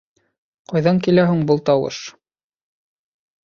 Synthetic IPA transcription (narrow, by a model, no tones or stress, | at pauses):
qɑjðɑŋkilæɦʉŋbɤlˠt̪ɑwɤ̰ʃ